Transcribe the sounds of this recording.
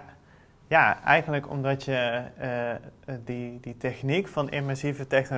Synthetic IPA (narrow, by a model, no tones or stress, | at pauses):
jaːɛjɣənləkɔ̰mdɑtjə | diditɛxnikfɑnɪ̰nmɛsivətɛxno